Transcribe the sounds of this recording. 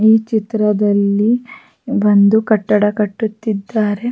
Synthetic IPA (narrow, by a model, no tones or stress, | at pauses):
iːt͡ʃit̪ɾɐd̪ɐlːi | bɐnd̪ukɐʈːɐɽɐkɐʈːut̪ːid̪ːaːɾe̞